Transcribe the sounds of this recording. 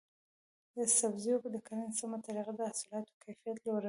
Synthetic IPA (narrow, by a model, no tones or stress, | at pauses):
d̪əsabzijokod̪əkanansamat̪aɾiɣad̪əasulɑt̪o̥kʰajfijat̪loɾa